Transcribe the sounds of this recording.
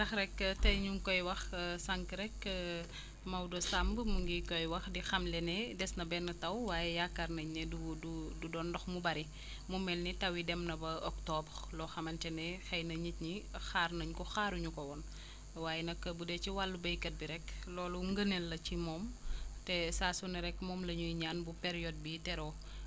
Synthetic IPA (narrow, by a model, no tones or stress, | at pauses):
dɐxɾɛkːtɛɲuŋkɔjwɐxsaŋkɾɛkː | mɐwdɔsambəmuŋɡikɔjwɐxdixɐmlɛnɛdɛsnɐbɛnːɐtɐwwaːjɛjakːarnɐɲːɛdudududɔːndɔxmubɐɾi | mumɛlnitɐwidɛmnɐbɐɔktɔblɔxɐmɐntɛnɛxɛjnɐɲitɲixaːrnɐɲkɔxaːɾuɲukɔwɔn | waːjɛnɐkːɐbudɛt͡ʃiwalːubɐjkɐt̚biɾɛkːlɔːluŋɡənɛlːɐt͡ʃimɔːmtɛsaːsunɐɾɛkːmɔːmlɐɲujɲaːnbupɛɾijɔd̚bitɛɾɔ